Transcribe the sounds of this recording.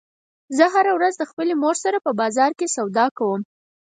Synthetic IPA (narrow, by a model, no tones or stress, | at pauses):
zəɦaɾawɾazd̪əxpəlemoɾsaɾapəbɑzɑɾkesawd̪ɑkawəm